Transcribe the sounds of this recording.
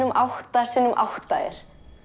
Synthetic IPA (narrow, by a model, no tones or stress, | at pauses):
ʏmʔawht̪ḁsiːnʏmʔa̰wht̪aɛ̰ɾ̥